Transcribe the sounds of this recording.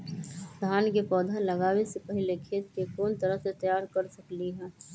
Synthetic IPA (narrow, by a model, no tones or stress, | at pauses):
d̪ʱaːnkepɔːd̪ʱalɐɡaːwesepɐɦɪlekʰeːt̪̚kekoːnt̪ɐɾəɦset̪ɐjaːɾkəɾsɐkliɦɛː